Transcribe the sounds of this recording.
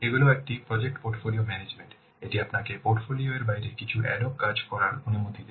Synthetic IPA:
eɡuleek̚ʈipɾɔd͡ʑek̚ʈpoɾʈfoliomɛned͡ʑmeɳʈ | eʈiapnakepoɾʈfolioeɾbaiɾekit͡ɕʰuʔɛlokːad͡ʑkɔɾaɾonumot̪id̪e

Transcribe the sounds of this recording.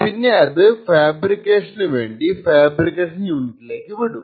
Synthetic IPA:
pinːeɐðɨfaːbrikːe̞ːʂɐnɨʋe̞̰ːɳɖifaːbrikːeːʂɐnjuːnitːile̞ːkːɨʋiɽum

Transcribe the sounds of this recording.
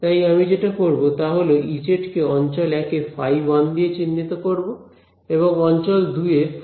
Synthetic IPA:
t̪ajamid͡ʑeʈakoɾbot̪aɦoloʔid͡ʑeʈkeɔnt͡ɕɔlɛkefʰajwand̪iet͡ɕinːit̪okoɾbo | eβoŋɔnt͡ɕɔld̪ue

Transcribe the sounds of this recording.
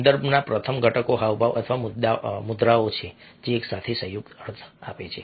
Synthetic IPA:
nd̪əɾbʱnapɾət̪ʰəmɡʱəʈʰəkoɦaʋbaʋə̰t̪ʰəʋamʊd̪amʊd̪ɾaot͡ʃʰed͡ʒeːksat̪ʰesəjuɡ̚t̪əɾt̪ʰapet͡ʃʰe

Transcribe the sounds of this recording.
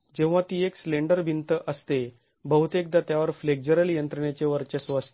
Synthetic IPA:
d͡ʑẽʋ̃ʋat̪iːekslẽɳɖəɾbʱint̪əʔəst̪e | bəɦut̪ek̚d̪at̪jaʋəɾfleɡ̚d͡ʑəɾəljənt̪ɾəɳjat͡seʋəɾt͡ɕesʋəst̪

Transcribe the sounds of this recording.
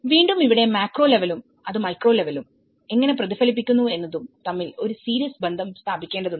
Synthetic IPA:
ʋiːɳɖumiʋiɽe̞maːkro̞ːle̞ʋɐlum | ɐðɨmɐjkro̞ːle̞ʋɐlum | e̞ŋːɐne̞prɐðifɐlipːikʲːunːue̞nːɐðumt̪ɐmːilo̞ɾusiːɾijɐsbe̞nd̪ʱɐmst̪ʰaːbikʲːe̞ːɳɖɐðuɳː

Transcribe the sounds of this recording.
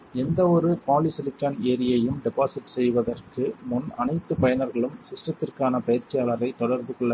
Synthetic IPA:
ɛnd̪ɐɔɾɯpaːlisɪlɪkːaːneːɾɪjɐjɯmɖɛpaːsɪʈsɛjʋɐðɐrkɯmʊnɐnɐɪt̪ːɯpɐjɐnɐɾɣɐɭɯmsɪsʈrɐt̪ːɪrkaːnɐpɐjɪɾt͡ʃːɪjaːlɐɾɐɪt̪ːɔɽɐɾb̪ɯkɔɭːɐ

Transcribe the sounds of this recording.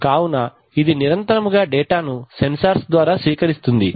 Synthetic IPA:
kaːwunɐ | id̪iniɾɐnt̪ɐɾɐmuɡaːɖɛːʈaːnusensɐɾsd̪ʋaːɾaːsʋiːkɐɾist̪und̪i

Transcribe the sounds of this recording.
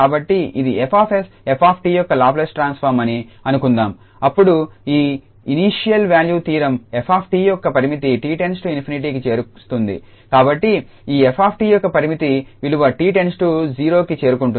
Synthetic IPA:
aːbɐʈːiid̪iepʰaːpʰes | epʰaːpʰʈiːjɔkːɐlaːp̬lesʈɾaːnspʰɐɾmɐniɐnukund̪aːm | ɐpːuɽuiː | iniːʂijɐlʋjaːljuːt̪iːɾɐmepʰaːpʰʈiːjɔkːɐpɐɾimit̪iʈiːʈe̞nsʈuinpʰiniʈ̬iːkit͡ʃe̞ːɾust̪und̪ḭ | kaːbɐʈːi | iːepʰaːp̚ʰʈiːjɔkːɐpɐɾimit̪iʋiluʋɐʈiːʈe̞nsʈud͡ʒiːɾo̞ːkit͡ʃe̞ːɾukuɳʈu

